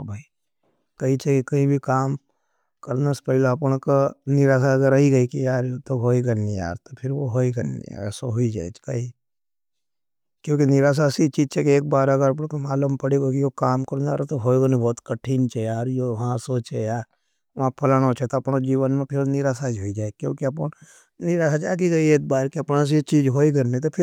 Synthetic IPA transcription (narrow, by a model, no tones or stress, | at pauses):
bʱai | kɐɦit͡ʃʰekikɐɦĩbʱikaːm | kɐɾnaspɛɦɪlapɽ̃kanɪɾaːs̬aɐɡəɾɐiɡɐikijaːɾot̪oɦoːiɡɐnːija̰ːɾt̪opʰɪɾʋoɦoːiɡɐnḭɛsoɦoid͡ʒa̰ːɛt͡ʃkɐi | kjõːkinɪɾaːs̬asit͡ʃiːd͡ʒt͡ʃʰekeeːk̚baːɾɐɡəɾɐpt̪omaːlumpɐɽeɡokijokaːmkɐɾna̰ːɾt̪oɦoːiɡonibɔːt̪kɐʈʰiːnt͡ʃʰɛjaːɾjoʋɐɦãsoːt͡ʃejaːɾ | ʋɦãpʰɐlənot͡ʃʰɛt̪oɐpnad͡ʒiːʋənmẽpʰɪɾnɪɾaːsad͡ʒɦoid͡ʒaːekjõːkiɐp | nɪɾaːsad͡ʒaːk̪iɡɐieːk̚baːɾkiɐpnas̬it͡ʃiːd͡ʒɦoːiɡɐɾnet̪̬opʰɪɾ